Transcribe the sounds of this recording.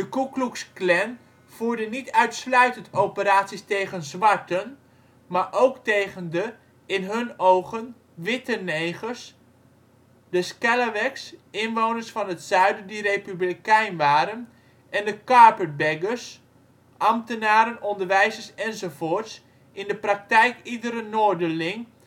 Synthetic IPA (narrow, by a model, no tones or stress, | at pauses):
dəkukluksklɛn | v̥uːɹdənitœɥtslœɥtəntowpəɾaːtsistejχənzʋɑɹtən | maːɹʔowktejχəndə | ɪnɦɵnowχən | ʋɪtənejχəɹs | dəskɛləʋɛksɪnʋownəɹsfɑnɦətsœɥdədirejpyblikɛjnʋaːɾən | ɛndəkaɹpəbɛɡəɹs | ʔɑmtənaːɾənɔndəɹʋɛjzəɹsɛnzowfoːɹts | ʔɪndəprɑk̚tɛjkidəɾənoːɹdəlɪŋ